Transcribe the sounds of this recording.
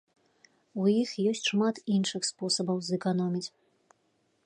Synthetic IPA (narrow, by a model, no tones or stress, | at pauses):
ujixjɔsʲt͡sʲʂmat̪inʂɨxspɔsɐbɐwzɛkanɔmʲit͡sʲ